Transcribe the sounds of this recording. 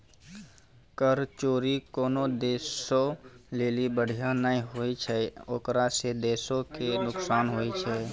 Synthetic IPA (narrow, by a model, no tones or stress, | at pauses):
kəɾt͡ʃoːɾikoːnod̪eːsoleːlibəɽ̤ijanəĩɦoːit͡ʃʰɛoːkɾased̪eːsõkenʊksaːnɦoːit͡ʃʰɛː